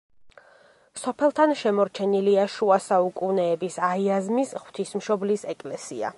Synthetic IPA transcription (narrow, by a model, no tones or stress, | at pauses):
sɔpʰɛlˠt̪ʰanʃɛmɔɾt͡ʃʰɛniliaʃuasaukʼunɛːbisaiazmisʁw̥t̪ʰismʃɔblisɛkʼlɛsia̰